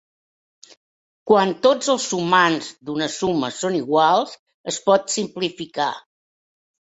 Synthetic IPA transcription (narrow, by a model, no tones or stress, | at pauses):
kwant̪od͡zəlˠzumanzd̪unəsuməsoniɣwalˠz | əspɔt̪simplifika̰